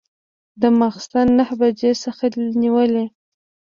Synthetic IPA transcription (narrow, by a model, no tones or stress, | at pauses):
d̪əmaxst̪anːahbad͡ʒesəxaniwəle